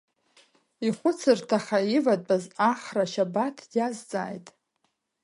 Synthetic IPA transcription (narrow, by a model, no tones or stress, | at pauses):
iχʷʊt͡sʰɨrtʰaχaivad̚ʼbʼazaχraʃabatʰjazt͡sʼa̰ːjtʼ